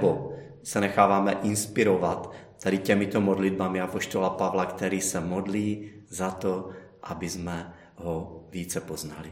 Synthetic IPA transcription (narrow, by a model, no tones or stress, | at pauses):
bo | sɛnɛxaːvaːmɛʔɪnspiɾovat̪ː | adɪcɛmit̪omodlid̪̚bamiapo̞ʃt̪olapavlakt̪ɛɾiːsɛmodliː | zat̪o | ʔabɪzmɛ | ɦoviːt͡sɛpoznali